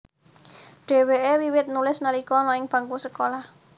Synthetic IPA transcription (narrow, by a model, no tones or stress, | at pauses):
ɖ̥ɛ̤weʔewiwɪt̪̚nulɪsnalikɔnɔɪŋb̥a̤ŋkusəkolah